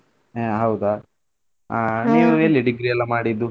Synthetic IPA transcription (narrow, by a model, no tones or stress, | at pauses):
ɦɐwd̪a | niːɾjɐlːiɖiɡɾiɐlːɐmaːɽid̪ːu